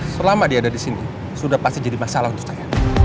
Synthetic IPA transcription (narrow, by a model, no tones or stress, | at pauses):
səlamadiadadisini | sudahpast̪id͡ʒadimasalaɦunt̪ʊk̚saja